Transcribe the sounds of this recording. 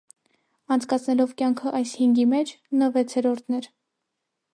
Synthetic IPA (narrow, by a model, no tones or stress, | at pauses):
ɑnt͡sʰkɑt͡sʰnɛlɔvkjɑŋkʰəʔɑjshiŋɡimɛt͡ʃʰ | nəvɛt͡sʰɛɾɔɾt̪ʰnɛɾ